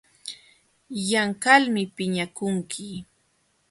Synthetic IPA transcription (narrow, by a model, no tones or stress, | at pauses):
jaŋkalmɪpɪɲakʊŋkʰɪ